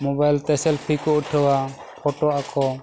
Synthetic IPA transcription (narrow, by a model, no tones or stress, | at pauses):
mɔbajlt̪ɛsɛlpʰikɔuʈʰəwa | pʰɔʈɔakɔ